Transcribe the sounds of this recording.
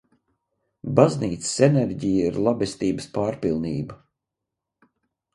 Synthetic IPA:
bazniːt̪sə̥seneɾɟijaiɾlˠabɛst̪iːbəspaːɾpilˠniːba

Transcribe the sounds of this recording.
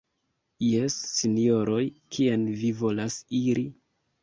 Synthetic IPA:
jesːinio̞ɾo̞jkʰienvivo̞lasiɾʔi

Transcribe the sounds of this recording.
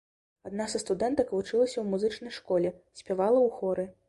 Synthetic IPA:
ad̪nasɐst̪ud̪ɛnt̪ɐkvut͡ʂɨlˠɐsʲɐwmuzɨt͡ʂnɐjʂkɔlʲɛsʲpʲavalˠɐwxɔɾɨ

